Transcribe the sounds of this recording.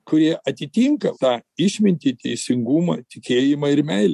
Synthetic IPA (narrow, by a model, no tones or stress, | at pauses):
kʊɾʲiɛʔɐt̪ʲɪt̪ʲiːŋkɐt̪ɑːɪʃʲmʲɪnʲt̪ʲiːt̪ʲɛɪsʲɪŋɡuːmɐt̪ʲɪkʲeːjɪmɐɪɾmʲɛɪlʲɛ